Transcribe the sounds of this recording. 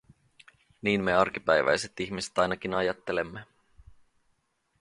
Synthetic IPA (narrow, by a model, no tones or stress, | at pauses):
niːnmeɑrk̟ipæjʋæ̰jse̞t̪içmise̥t̪ɑjnɑk̟inɑjɑt̪ːele̞mːe